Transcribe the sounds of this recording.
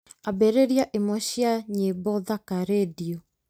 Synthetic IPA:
abɛɾeɾiaʔemɔɕiaɲebɔðakaɾediɔ

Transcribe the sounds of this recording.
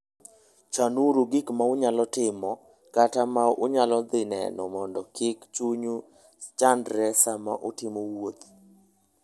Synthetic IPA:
t͡ʃanuɾoɡikmaʊɲalɔtɪmɔ | katamaʊɲalɔd̪ɪnɛ̰nɔmɔndɔkʰɪkt͡ʃuɲu | t͡ʃandɾɛsama̰ʔʊtɪmowot̪

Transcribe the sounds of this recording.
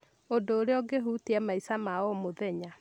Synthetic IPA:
odoːɾeɔɡeɦuteɛmaisamaɔmoðɛɲa

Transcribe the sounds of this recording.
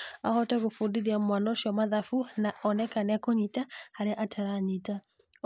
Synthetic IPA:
ahɔtɛɣofundiðiamwanɔʃɔmaðafunaɔnɛkanɛakoɲitahaɾeaʔatʰɛɾaɲita

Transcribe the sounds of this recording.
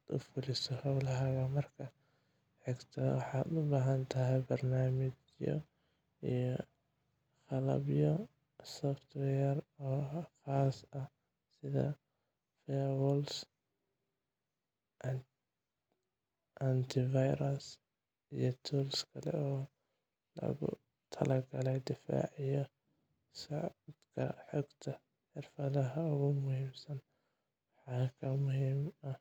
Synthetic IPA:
ʊ̰fɪlɪsʊhawlaɦaɡamɐɾkʰa | ħɪkt̪ʰaw̰ħabaɦant̪ahabɐɾnaːmɪd͡ʒ | jo̰ | j | xɑlɐ̰bjo | sɔft̪wɛjɛɾɔxaːsˤːʔa | sɪða̰ | fewɔls | ʔɐnt̪ʰɪvajɾɐs | ijɔt̪ʰuːlskʰɐlɛ̰ɔː | lɐ̰ɣʊ̰ | t̪ʰɐlɐɡɐlɛjd̪ɪfa̰ːʕɪjɔ | sɑʕd̪kʰɐ̰ħʊɡt̪ʰɐ | ħɪrfɐðɐɦɐʊɣʊmʊhiːmsɐn | wħɑːkʰɐmʊhimɐ

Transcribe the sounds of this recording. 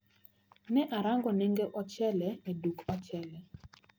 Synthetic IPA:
nɛʔaɾaŋɡɔneŋɡeʔɔt͡ʃɛlɛedukat͡ʃɛlɛ

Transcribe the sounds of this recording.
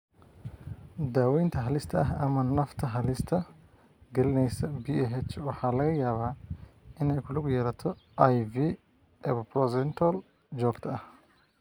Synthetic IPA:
d̪aːwɛjnt̪ʰɐɦɐlɪst̪ʰɐɐɦɐmɐnɐft̪ʰɐɦɐlɪst̪ʰɐ | ɡɐlɪnɛjsɐbiɦɛt͡ʃwɑħɑːlɐɣɐjaːβaːɪnɛjkʰʊlʊɡʊjɛːɾɐt̪ʰɔʔjviː | ɛβɐprɔsɛnt̪ʰɔl | d͡ʒɔːɡt̪ʰɐɐh

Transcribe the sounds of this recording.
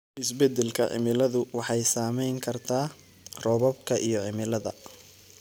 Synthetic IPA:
ʔɪsbɛd̪ɛlkʰɐ̰ʕɪ̰mɪlɐðʊwɑħɑjsaːmɛjŋkʰɐrt̪ʰaː | rɔβɔb̚kʰɐʔijɞʕɪmɪlɐðɐ̰

